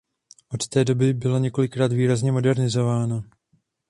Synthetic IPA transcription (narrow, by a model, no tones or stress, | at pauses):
ʔo̞t̪t̪ɛːdo̞bɪbɪlaɲɛko̞lɪkɾaːd̪viːɾazɲɛmo̞dɛɾnɪzo̞vaːno